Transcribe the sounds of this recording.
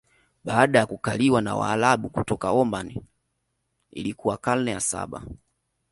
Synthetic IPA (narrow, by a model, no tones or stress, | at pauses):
ɓaːɗajakukaliwana̰wa̰ːlaɓukutɔkaɔmbani | ḭlikuwakalnɛjasa̰ɓa̰